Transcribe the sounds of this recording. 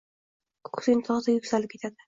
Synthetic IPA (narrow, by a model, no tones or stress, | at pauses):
kkʰʊ̥sɪnt̪ʰɒʁzajʊkʲsalɪp̚kʰʲe̞t̪ʰad̪ɪ